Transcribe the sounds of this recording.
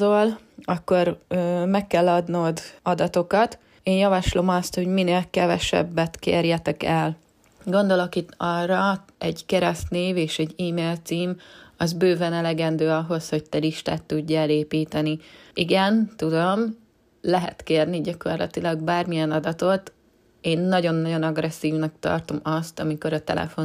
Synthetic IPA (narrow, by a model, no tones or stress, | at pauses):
olɒkːo̞rmɛkːɛlːɒd̪noːd̪ɒd̪ɒt̪o̞kɒt̪ | eːnjɒvɒʃlo̞mɒst̪ho̞ɟmineːlkɛvɛʃɛ̰bːɛt̪kḛːrjɛt̪ɛkɛl | ɡo̞nd̪o̞lo̞kit̪ːɒrːɒ | ɛɟkɛɾɛst̪neːveːʃɛɟiːmeːlt̪siːmɒzbøːvɛnɛlɛɡɛnd̪øːɒɦo̞shoɟ̚t̪ɛliʃt̪aːt̪ːuɟːɛɛleːpiːt̪ɛniiɡɛnt̪ud̪o̞m | lɛɦɛ̰t̪keːrniɟɒko̞rlɒ̰t̪ilɒɡ̚baːrmijɛnɒd̪ɒt̪o̞t̪ | eːnːɒɟo̞nːɒɟo̞nɒɡɾɛsːiːvnɒkt̪ɒ̰rt̪o̞mɒst̪ɒmiko̞ɾɒt̪ɛ̰lɛ̰fo̞n